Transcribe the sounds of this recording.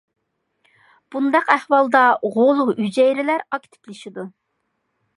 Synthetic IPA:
b̥und̪ɑqæhwɑlˠd̪ɑʁolˠuyd͡ʒɛjɾɪlæɾɑkʲt̪ʰɪ̥plɪʃid̪u

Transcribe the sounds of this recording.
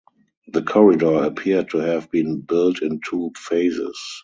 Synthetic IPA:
ðəkʰɔɹɪdɔəpʰiəd̚tʰuhɛvbĩːnbɪltɪ̃ntʰuːfeɪzɪ̰s

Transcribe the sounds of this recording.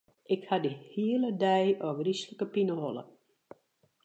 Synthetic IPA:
ʔɪkhadihiələdɛjɔɡrisləkəpinəholə̰

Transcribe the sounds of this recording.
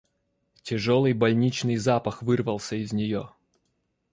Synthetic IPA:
tʲɪʐolˠɨjbɐlʲnʲit͡ɕnɨjzapəxvɨrvəlˠsʲəɪzʲnʲɪjo

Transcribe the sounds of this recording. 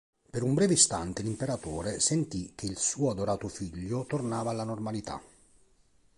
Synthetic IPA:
peɾumbɾɛːvest̪ant̪elimpeɾat̪oːɾesent̪ik̟ːeilsuːoad̪oɾaːt̪ʊfiʎːʊt̪ornaːvaːlːanormalit̪a̰

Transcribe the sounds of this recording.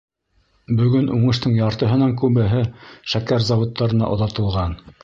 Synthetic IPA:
bɵ̆ɡɵnʔuɴɤ̆ʃt̪ɤɴjɑɾt̪ɤ̆ɦɤ̆nɑŋkʉβɘ̆ɦɘʃækæɾzɑwŏt̪ːɑɾɤ̆nɑ̰ʔŏðɑt̪ɤ̆lˠʁɑn

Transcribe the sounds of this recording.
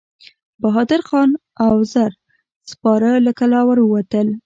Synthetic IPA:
baɦɑd̪ɪɾxɑn | awzaɾ | spɑɾələkalɑwaɾwəwat̪əl

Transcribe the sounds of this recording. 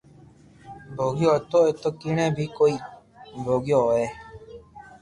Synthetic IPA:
bʱoːɡɪjoːt̪oːeːt̪oːkiːɳẽːbʱiːkoːiː | bʱoːɡjoːeː

